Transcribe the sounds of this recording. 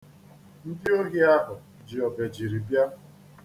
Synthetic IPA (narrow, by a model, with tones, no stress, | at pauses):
n̩˦dɪ˦o˦ɦi˦a˦ɦʊ˨ | d͡ʒɪ˨ɔ˨be˨d͡ʒi˨ɾi˨bja˦